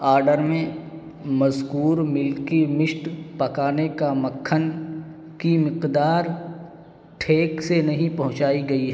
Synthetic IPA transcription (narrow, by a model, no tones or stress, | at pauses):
aːɾɖəɾmẽ | mɐzkuːɾmɪlkemɪʃʈpɐkaːnekamɐkʰːən | kimɪqd̪aːɾ | ʈʰeːksenɐɦĩpɐɦʊ̃t͡ʃaːiɡɐiɦɛ